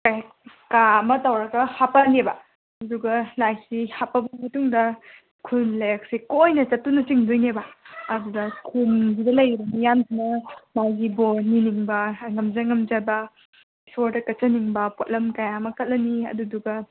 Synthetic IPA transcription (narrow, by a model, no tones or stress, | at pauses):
kaj | kamɐtɐwɾɐɡɐhapɐnebɐ | ɐduɡɐlajsihapɐbɐmɐtuŋdɐ | kʰunlɐjɐk̚sikojnɐt͡ʃɐtːunɐt͡ʃiŋdujnebɐɐdudɐkʰunzidɐlɐjbɐmijamsinɐmajɡiboniniŋbɐŋɐmzaŋɐmzabɐ | soɾdɐkɐt͡ʃɐniŋbɐpot̚lɐmkajamɐkʰɐt̚lɐniɐ̰duduɡɐ